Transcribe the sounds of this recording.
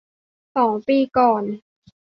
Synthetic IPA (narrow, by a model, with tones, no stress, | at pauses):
sɔː˩˦ŋpiː˧˩kɔː˨˩n